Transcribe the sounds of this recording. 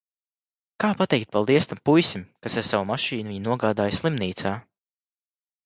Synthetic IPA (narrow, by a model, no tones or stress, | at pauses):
kaːpat̪ɛjk̚t̪̚palˠd̪iɛst̪ampujsʲimkasaɾsawamaʃiːnviɲnuɔɡaːd̪aːjsʲlˠimniːt̪saː